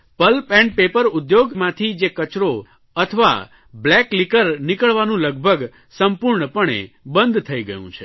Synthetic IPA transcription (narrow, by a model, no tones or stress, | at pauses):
pəlpɛ̃ɳɖ̚pepəɾʊd̪joɡmãt̪ʰid͡ʒekət͡ʃɾo | ət̪ʰəʋa̰ | blɛklikəɾnɪkəɭʋanũləɡ̚bʱəɡ | səmpuɾɳəpəɳḛ | bə̃nd̪ʱt̪ʰəiɡəjṵ̃t͡ʃʰe